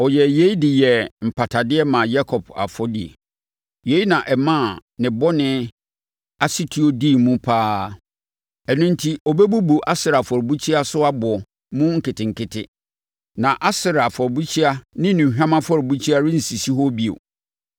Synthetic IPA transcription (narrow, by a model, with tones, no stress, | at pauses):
ɔ˨jɛ˨je˦i˦dɪ˨jɛ˨m̩˨pʰa˨tʰa˨dɪ˦ɛ˦mã˨ja˦kʰɔ˨pʰa̰˨fɔ˦dḭ˨ḛ˨ | je˨˦i˦nã˨ʔɛ˨mã˦˨nɪ̃˨bɔ˦nɪ̃˦ | a˨si˦tʰu˨o˨di˦˨mũ˦pʰaː˦ | ɛ˨nʊ̃˦n̩˦tʰi˦ɔ˨bɛ˦bu˦bu˨ʔa˦sɪ˨ɾa˨fɔ˨ɾbu˦t͡ɕʰi˦a˦sʊ˦a˦bʊ˨ɔ˨ | mũ˦ŋ̩˦kɪ˨tɪ̃˨ŋ̩˨kɪ˨tʰɪ̰˦ | nã˨ʔa˦sɪ˨ɾa˨fɔ˨ɾbu˦t͡ɕʰi˦a˦nɪ̃˦nũ˨ɦᶣã˦mã˦fɔ˦˨ɾbu˦t͡ɕʰi˦a˦ɾɪ˦n̩˨si˨si˦ɦo˦bi˦o̰˨